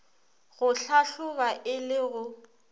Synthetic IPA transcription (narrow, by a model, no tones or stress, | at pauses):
ɣʊɬaɬʊbaʔɪlɪɣʊ